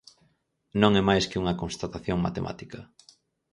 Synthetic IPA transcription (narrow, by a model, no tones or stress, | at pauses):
nõŋɛmajskɪuŋɐkonst̪at̪aθjoŋma̰t̪ḛmʔa̰t̪ikɐ